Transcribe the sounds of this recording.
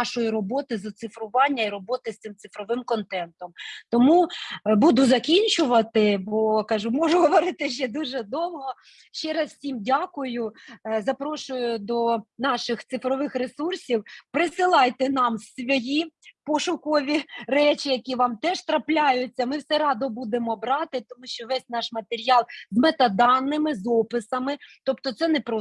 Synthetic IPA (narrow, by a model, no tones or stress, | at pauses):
ɑʃɔjiɾɔbɔt̪ɪzɐt̪sɪfɾʊʋɑnʲːɐiɾɔbɔt̪ɪst̪ɪmt̪sɪfɾɔʋɪmkɔnt̪ɛnt̪ɔmt̪ɔmubud̪ʊzɐkʲinʲt͡ʃʊʋɐt̪ɪbɔkɐʒumɔʒʊɦɔʋɔɾɪt̪ɪʃt͡ʃɛd̪uʒɛd̪ɔmɦɔ | ʃt͡ʃɛɾɐzsʲimdʲakʊjʊzɐpɾɔʃʊjʊd̪ɔnɑʃɪxt̪sɪfɾɔʋɪxɾesursʲiwpɾɪsɪlˠɑjt̪ɛnɑmsʋʲɔjipɔʃʊkɔʋʲirɛt͡ʃʲɪjɐkʲiʋɑmt̪ɛʃt̪ɾɐplʲajʊt͡sʲːɐmɪwsɛɾɑd̪ɔbud̪emɔbɾɑt̪ɪt̪ɔmuʃt͡ʃɔʋɛsʲnɑʃmɐt̪eɾʲijɑlˠzmɛt̪ɐd̪ɑnːɪmɪzɔpɪsɐmɪt̪ɔp̚t̪ɔt̪sɛnɛpɾɔ